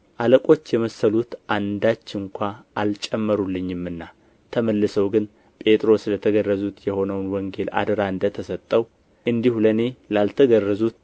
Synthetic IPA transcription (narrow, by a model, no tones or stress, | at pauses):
ʔaləkʼo̞t͡ʃːjɛməsəlut̪ʔand̪at͡ʃːɨŋkʷʰaʔalt͡ʃʼɛmːəɾulːɨɲːɪmɨnːa | t̪ʰəməlːɨsəwɡɨn | pʼe̞t̪ʼɾo̞slət̪ʰəɡərːəzut̪jɛho̞nəwnwɔŋɡe̞lʔa̰d̪əɾaɨnd̪ət̪ʰəsət̪ʼːəw | ʔɨnd̪ihuləne̞lalt̪ʰəɡərːəzut̪